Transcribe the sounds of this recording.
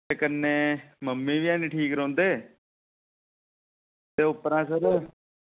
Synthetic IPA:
ekəɾneːməmːĩːʋɪjãːnĩːʈʰiːkɾõːnd̪eː | t̪eːʊpəɾãːsəɾ

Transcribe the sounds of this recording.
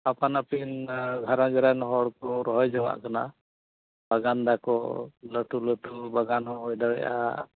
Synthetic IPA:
apanapinɡʱaɾaɡɛɾajnɔɦɔɽkɔɾɔɦɔjd͡ʒawa̰ʔkana | baɡand̪akɔləʈuləʈubaɡanɔɔjdaɽɛja̰

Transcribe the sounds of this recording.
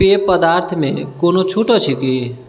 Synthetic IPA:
epəd̪aɾt̪ʰmẽkoːnot͡ʃʰuʈɔt͡ʃʰiki

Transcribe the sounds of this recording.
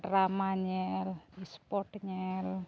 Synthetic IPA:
ramaɲɛlispɔʈɲɛl

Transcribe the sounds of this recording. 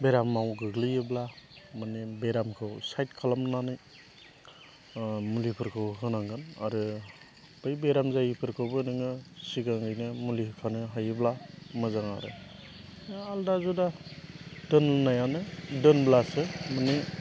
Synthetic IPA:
beɾamːawɡɯɡlijɯblamɯnebeɾamkʰɯwsajt̚kʰalamnanɯj | mulipʰɯɾkʰɯwɦɯnaŋɡɯna̰ɾɯ | b̥ɯjbeɾamzajipʰɯɾkʰɯwbɯnɯŋɯsiɡaŋɡɯjnɯmulikʰanɯɦajɯblamɯzaŋa̰ɾɯ̰ | aldazuda | dɯnnajanɯdɯnblasɯmɯne

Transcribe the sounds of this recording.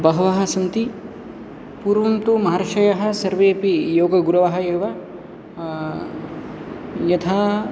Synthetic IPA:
bɐɦɐʋɐɦɐ̆sɐmt̪i | puːɾʋɐnt̪umɐɦaɾʃɐjɐɦɐ̆sɐɾʋeːpijoːɡɐɡuɾɐʋɐɦɐ̆eːʋɐ | jɐt̪ʰaː

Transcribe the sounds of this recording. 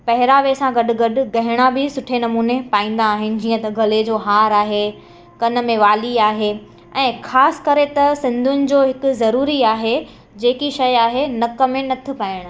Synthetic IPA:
pɐɦɪɾaːʋesãɡɐɗʊ̆ɡɐɗʊ̆ɡɐɦɪɽ̃abɪsʊʈʰenɐmuːnepaːĩːn̆d̪aːɦɪnɪ̆d͡ʑiːə̃t̪ɐɡʱɐled͡ʑoːɦaːɾaːɦe | kɐnə̆mẽʋaːliaːɦe | ɛ̃ːxaːsɪ̥kɐɾet̪ɐsɪ̃nd̪ʱʊnɪ̆d͡ʑoːɦɪkʊ̆zɐɾuːɾiaːɦe | d͡ʑeːkiʃɐjaːɦenɐkɐmẽnɐt̪ʰɪ̆paːɪɽ̃

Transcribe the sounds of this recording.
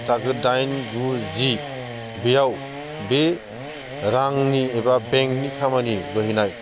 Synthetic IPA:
tʰaɡɯdajnduzi | bijaw | be | ɾaŋniebabeŋk̚nikʰamaniɡɯɦinaj

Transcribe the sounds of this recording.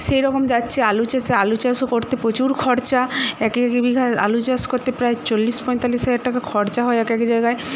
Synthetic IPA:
ʃejɾɔkomd͡ʑatːɕʰealut͡ɕasealut͡ɕasokoɾt̪epɾot͡ɕuɾkʰɔɾt͡ɕaɛkekebiɡʱaa̰lut͡ɕaskoɾt̪epɾaet͡ɕolːispɔjnt̪alːisɦad͡ʑaɖʈakakʰɔɾt͡ɕaɦɔeɛkɛked͡ʑajɡae

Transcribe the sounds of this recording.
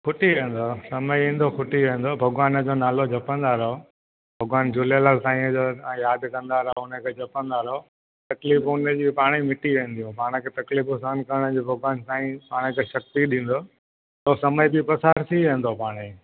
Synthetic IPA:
kʰʊʈiʋẽːn̆d̪osɐməjĩːnd̪okʰʊʈiʋẽːn̆d̪oːbʱɐɡʊʋaːnd͡ʑoːnaːlod͡ʑʱɐpə̃nd̪aːɾo | bʱɐɡʊʋaːnd͡ʑʊlelalt̪ãːĩd͡ʑõjaːd̪kɐ̃nd̪aːɾɐɦoʊnəkʰeːd͡ʑʱɐpə̃nd̪aːɾɦo | t̪ɐkliːfʊnəd͡ʑiːpaːɽ̃imɪʈiʋẽːn̆d̪iũpaːɽ̃əkʰet̪ɐklifʊsaːnkɐɾəɽ̃əd͡ʑiːbʱɐɡwaːnsaːĩpaːɽ̃ekʰeːʃɐk̚t̪iɗĩːn̆d̪oː | t̪oːsɐməjbɪpɐsaːɾt̪iʋẽːnd̪opaːɽ̃e

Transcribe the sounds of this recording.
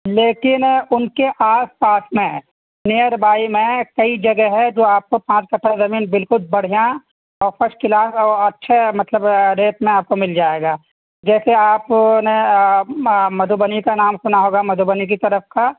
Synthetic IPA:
leːkɪnʊnkeʔaːspaːsmẽ | nejəɾbaːimẽkɐid͡ʒɐɡɛɦɛd͡ʒoːaːp̚kopãːt͡ʃkɐʈʰːazɐmiːnbɪlkʊlbɐɽ̤ijã | ɔːɾpʰɐɾʃkɪlaːsɔːɾɐtːʃʰemɐt̪ləbɾeːt̪mẽaːp̚komɪld͡ʒaːeːɡaː | d͡ʒɛːseaːpne | mɐd̪ʱubənikanaːmsʊnaɦoːɡamɐd̪ʱubənik̬it̪ɐɾəfka

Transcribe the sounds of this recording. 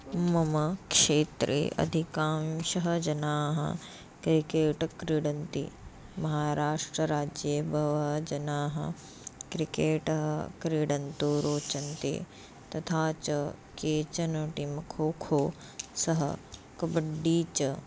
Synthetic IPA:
mɐmɐkʂeːt̪ɾʔḛːʔɐ̰d̪ʱikaːmʃɐɦɐd͡ʒɐnaːɦɐ̰ | kɾikeːʈkɾiɽɐnt̪ḭ | mɐɦaːɾaːʂʈɾɐɾaːd͡ʒjɐbʱɐʋɐd͡ʒɐnaːɦɐ̰ | kɾikeːʈɐɦɐkɾiɽɐnt̪uɾoːt͡ʃɐnt̪ḭ | t̪ɐt̪ʰaːt͡ʃɐkeːt͡ʃɐnɐʈimɐkʰoːkʰoː | sɐɦɐ̰ | kɐbɐɖːiːt͡ʃɐ

